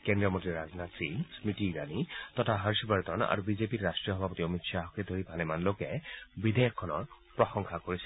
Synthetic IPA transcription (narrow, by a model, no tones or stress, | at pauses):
kendiɔmɔntiɹaznasinsmɹitiɹa̰nit̪ɔtʰaɦaɹsibaɹt̪ɔna̰ɹubizepitːastɹijɔɦɔbʱapɔtiɔmitsaɦɔked̪ʱoɹibʱalɛmanlokɛbid̪ʱejɔkʰːɔnɔ̰ɹ | pɹɔxɔŋxʰakoɹisɛ